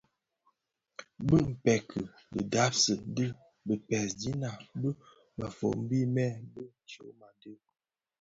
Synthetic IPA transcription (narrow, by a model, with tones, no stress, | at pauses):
bə˦m̩˨pɛ˨kʰə˨bə˨da˨˦p̚sə˨də˦ | bə˨pɛ˨sdi˦na˨bə˦ | ma˨fo̰˨m̩˦bi˦mɛ˦˨bə˦n̩˨t͡ʃo˦ma˨də˦